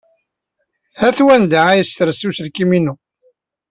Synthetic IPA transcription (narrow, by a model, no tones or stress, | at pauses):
hæθwænd̪aæjəst̪əɾsusəlkiminu